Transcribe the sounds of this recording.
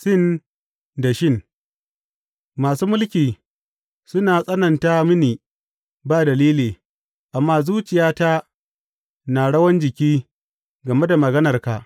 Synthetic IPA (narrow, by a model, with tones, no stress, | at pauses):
ʃɪ˦˨n | da˨ʃɪ˦˨n | maː˨suː˦mʊ˦lkʲiː˨ | sʊ˦naː˨sʼɐ˦nɐ˨nta˦mɪ˦niː˨ | baː˦˨dɐ˨liː˦liː˨ | ʔa˨mːaː˦zuː˦t͡ʃɪ˨jaː˦ta˦ | naː˨ɽɐ˦wɐ˦nd͡ʒɪ˨kʲiː˦ | ɡɐ˨me˦da˨mɐ˨ɡɐ˦nɐ˨rka̰˨ʔ